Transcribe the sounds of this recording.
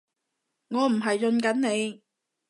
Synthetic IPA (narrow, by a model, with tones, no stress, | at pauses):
ŋɔː˨˧m̩˨˩ɦɐ˨jt͡ʃɵ˧nkɐ˨˥nne˨˧j